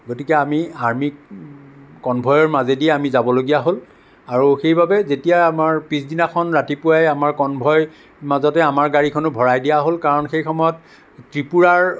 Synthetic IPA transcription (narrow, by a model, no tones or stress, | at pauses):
ɡotikɛamiaɹmik | kɔnbʱɔjɔɹmazediɛamizabɔloɡijaɦol | aɹuxejbabɛzetijaamaɹpisdinakʰɔnɹatipʊajamaɹkɔnbʱɔj | mazɔtɛamaɹɡaɹikʰɔnʊbʱɔɹajdijaɦolkaɹɔnxejxɔmɔjɔt̚ | tɹipuɹaɹ